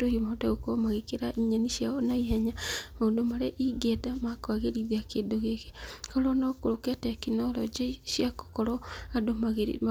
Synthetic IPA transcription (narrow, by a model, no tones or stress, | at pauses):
tohimodaɣokomaɣekeɾaʔiɲanisjaɔnaiɦɛɲamaondomaɾeʔiɡetamakaɣeɾiðiakeːndoɣeke̥kɔɾɔnaokoɾokɛtɛkinɔlɔd͡ʒesiako̥kɔɾɔadomaɣeɾḭma